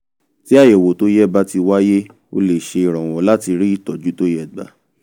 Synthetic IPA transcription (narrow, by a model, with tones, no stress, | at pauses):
ti˦a˦˨je˨wo˨to˦jɛ˦ba˦ti˧wa˦je˦ | o̰˧le˨ʃe˧i˨ɾ̃ɔ̃˨w̃ɔ̃˨˦la˦ti˧ɾi˦i˦˨tɔ˨d͡ʒu˨˦to˦jɛ˦˨ɡ͡ba̰˨˦